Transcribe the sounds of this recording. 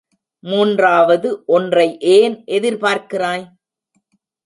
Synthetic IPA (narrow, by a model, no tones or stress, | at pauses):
muːndraːʋɐðɯʔɔndrɐɪʔeːnʔɛðɪɾpaːɾkɪraːj